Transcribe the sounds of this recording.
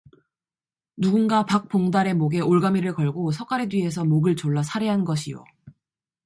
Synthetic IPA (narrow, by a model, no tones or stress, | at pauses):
nuɡunɡapak̚p͈oŋdaɾe̞moɡe̞oɭɡamiɾɯɭkʌɭɡosʰʌk͈ʰaɾedwɥie̞sʰʌmoɡɯɭt͡ɕoɭːasʰaɾeɦanɡʌɕʰijo̰